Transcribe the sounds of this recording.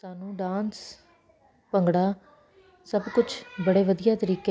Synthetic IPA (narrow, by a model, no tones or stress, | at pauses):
saːnũːɖãːns | pəŋɡɽaː | səbkʊt͡ʃbəɽeːʋəd̪ijaːt̪əɾiːke